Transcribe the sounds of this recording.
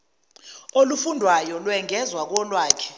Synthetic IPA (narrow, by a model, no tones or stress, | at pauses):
olufundʱwajɔlwɛŋɛzwak̬ɔlwaːkʰɛ̥